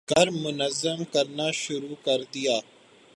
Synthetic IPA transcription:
kɐɾmʊnɐzəmkɐɾnaːʃʊɾuːkɐɾd̪ijaː

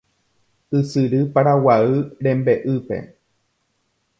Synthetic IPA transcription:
ɨsɨɾɨpaɾawaɨɾẽ̞mbeʔɨpe̞̰

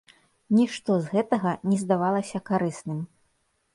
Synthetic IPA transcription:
nʲiʂt̪ɔzɣɛt̪ɐɣɐnʲɛzd̪avalˠɐsʲɐkaɾɨsnɨm

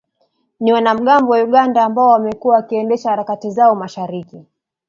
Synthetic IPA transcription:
niwanam̩ɠambɔwauɠandaːmbaɔwamɛkuwawakiɛndɛʃahaɾakatizaɔmaʃaɾiki

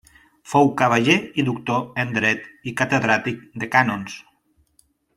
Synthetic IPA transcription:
fowkaβ̞aʒeiðukt̪oend̪ɾɛt̪ikat̪eðɾat̪ik̚d̪ekanons

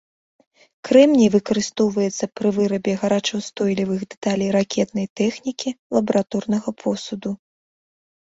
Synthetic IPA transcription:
kɾɛmnʲivɨkɐɾɨst̪ɔwvɐjɛt̪sːɐpɾɨvɨɾɐbʲɛɣɐɾat͡ʂɐwst̪ɔjlʲivɨɣd̪ɛt̪alʲijɾakʲʰɛt̪nɐjt̪ɛxnʲikʲilˠɐbɐɾat̪ɔrnɐɣɐpʰɔsud̪u

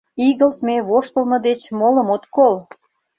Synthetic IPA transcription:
iɣə̆lt̪meβoʃt̪ə̆lmɤ̆d̪et͡ɕmoləmot̪kol

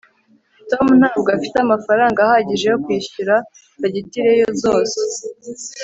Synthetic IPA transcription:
to̞mun̥haːbɡoafiteamafaɾaːŋɡaːhaːɟiʒe̞jo̞kwiːɕuɾa | kaɟitiɾe̞jo̞zo̞ːse

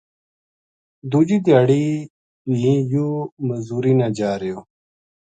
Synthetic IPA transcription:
d̪uːd͡ʑid̪jaːɽiː | lĩːjuːməzuːɾiːnad͡ʑaːɾejoː

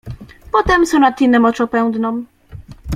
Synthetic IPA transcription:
pɔt̪ɛmsɔ̃wnat̪ʲːinːɛmɔt͡ʂɔ̃pɛw̃d̪nɔ̃m

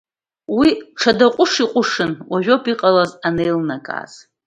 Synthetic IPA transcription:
wiʈ͡ʂʰadaqʷʼʊʂiqʷʼʊʂɨnwaʒᶣopʰʼiqʼalazanejlnakʼa̰z̥

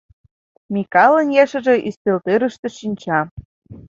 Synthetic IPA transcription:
mikɑlə̆njæʃə̆ʒĕʔist̪elt̪eɾə̆ʃt̪ɤ̆ʃinʲt͡ɕɑ

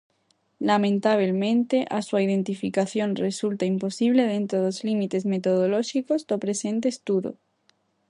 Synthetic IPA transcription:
lamẽnt̪aβ̞elmẽ̞nt̪e̞ʔasuaið̞e̞nt̪ifikaθjo̞nre̞sult̪aimpo̞siβ̞le̞ð̞e̞nt̪ɾoðozlimit̪e̞zme̞t̪o̞ð̞olo̞ʃiko̞zd̪opɾe̞se̞nt̪̬eːst̪uðo̰

